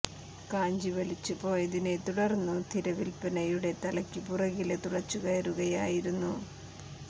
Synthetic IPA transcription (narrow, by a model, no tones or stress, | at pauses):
kaːɲd͡ʑiʋɐlit͡ɕːupo̞ːjɐðine̞t̪uɽɐrnːut̪ʰiɾɐʋilpɐnɐjuɽe̞t̪ɐlɐkʲːɨpurɐɣilet̪uɽɐt͡ɕːuɣɐɐɾuɣɐjaːjiɾunːu